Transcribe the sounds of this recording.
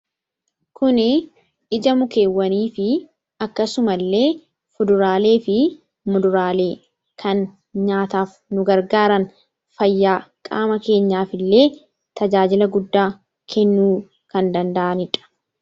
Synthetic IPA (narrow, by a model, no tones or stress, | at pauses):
kʊnɪ | ɪd͡ʒɐmʊke̞ːwːɐniːfɪ | ɐkːɐsʊmɐlːe̞ː | fʊd̪ʊɾaːle̞ːfɪ | mʊd̪ʊɾaːle̞ː | kʰɐn | ɲaːt̪aːf | nʊɡɐɾɡaːɾɐn | fɐjːaːkʼaːmɐke̞ːɲːaːfɪlːe̞ː | t̪ɐd͡ʒaːd͡ʒɪlɐɡʊd̪ːaː | kʰɛnːuː | kɐnd̪ɐnd̪ɐʔɐnɪᶑɐ̥